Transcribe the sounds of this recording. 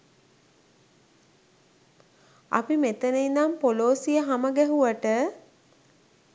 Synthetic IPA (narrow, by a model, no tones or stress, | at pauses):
a̰pimet̪əneinampoloːsijəɦaməɡɛɦuʋəʈə